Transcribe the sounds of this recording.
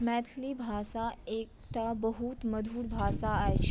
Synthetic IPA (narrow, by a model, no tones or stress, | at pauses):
mɛːt̪ʰlibʱaːsaeːkʈ̪ʰabɐɦut̪mɐd̪ʱuːɾbʱaːsaaet͡ʃʰ